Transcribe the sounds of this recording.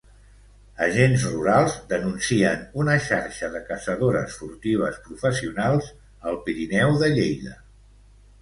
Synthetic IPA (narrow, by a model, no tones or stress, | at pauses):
əʒenzruɾalˠzd̪ənunsiənunəʃa̰ɾʃəðəkəsəðoɾəsfuɾt̪iβ̞əspɾufəsiunalˠz | əlˠpiɾinɛwðəʎejðə̰